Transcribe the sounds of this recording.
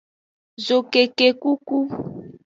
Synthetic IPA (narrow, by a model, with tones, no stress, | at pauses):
zo˨ke˨ke˨ku˦ku˦